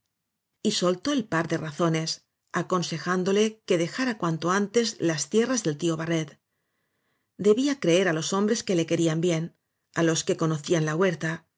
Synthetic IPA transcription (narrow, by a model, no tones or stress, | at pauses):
iso̞lt̪o̞elpaɾðe̞raθo̞ne̞s | ako̞nse̞xand̪o̞le̞ke̞ðe̞xaɾakwant̪oant̪e̞zlast̪je̞razðe̞lt̪io̞βare̞t̪ | d̪e̞βiakɾe̞e̞ɾalo̞so̞mbɾeske̞le̞ke̞ɾiambje̞n | alo̞ske̞ko̞no̞θianlaɣwe̞ɾt̪a